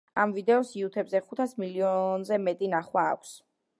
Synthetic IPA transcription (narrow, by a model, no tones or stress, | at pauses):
amvid̪ɛɔsiut̪ʰɛbzɛχut̪ʰasmiliɔnzɛmɛt̪ʼinaχwa̰ːkʷʰs